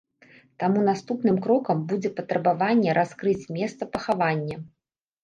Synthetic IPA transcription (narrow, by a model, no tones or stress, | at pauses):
t̪amunast̪upnɨmkɾɔkɐmbud͡zʲɛpɐt̪ɾɐbavanʲːɛɾʔaskɾɨt͡sʲmʲɛst̪sɐpɐxavanʲːɐ